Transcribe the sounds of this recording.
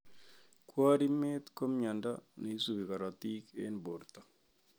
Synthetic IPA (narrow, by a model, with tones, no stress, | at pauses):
kwa˦ɾi˦me˦t̪ko˦mɲa˨nda˦ne˨i˦su˨bi˨ka˨ɾa˨t̪i˦kḛnbo˨ɾt̪a˨